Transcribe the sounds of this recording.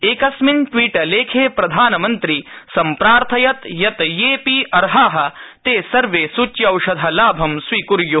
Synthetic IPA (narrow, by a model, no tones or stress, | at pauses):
eːkɐsminʈʋiːʈɐleːkʰeːpɾɐd̪ʱaːnɐmɐnt̪ɾisɐmpɾaːɾt̪ʰɐjɐt̪jɐt̪jeːpiːʔɐɾɦaːɦɐ̆t̪eːsɐɾʋeːsut͡ʃjɐwʃɐd̪ʱɐlaːbʱɐmsʋiːkuɾju